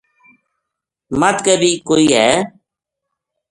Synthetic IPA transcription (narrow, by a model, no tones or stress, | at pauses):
mət̪kəːbiːkoːiːɦɛː